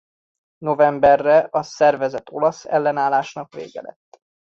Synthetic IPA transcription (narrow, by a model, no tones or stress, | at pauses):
no̞vɛmbɛrːɛʔɒsɛrvɛzɛt̪o̞̰lɒsɛ̰lːɛnaːlaːʃnɒkvḛːɡɛ̰lɛ̰t̪ː